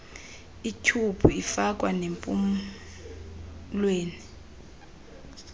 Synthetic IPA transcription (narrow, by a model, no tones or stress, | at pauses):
itʰupʰuifak̬ʼwanempʼṵm | lweːni